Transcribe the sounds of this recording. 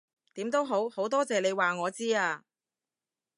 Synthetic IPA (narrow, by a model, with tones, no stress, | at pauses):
t̪iː˨˥mt̪o˥wɦo˨˥who˨˥wt̪ɔː˥t͡sɛː˨le˨˧jwaː˨ŋɔː˨˧t͡siː˥aː˧